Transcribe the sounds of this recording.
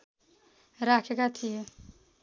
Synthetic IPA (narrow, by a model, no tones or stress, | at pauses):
ɾakʰekat̪ʰijo